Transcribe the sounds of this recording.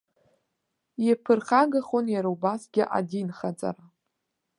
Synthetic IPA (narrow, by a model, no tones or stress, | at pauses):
jepʰɨrχaɡaχonjaɾawbasɡʲɪʔa̰dinχat͡sʼa̰ɾa